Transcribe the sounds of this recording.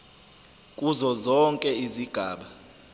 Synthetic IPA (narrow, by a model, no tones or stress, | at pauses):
kʼuzɔzɔŋkʼɛiziɡ̥ʱaːɓa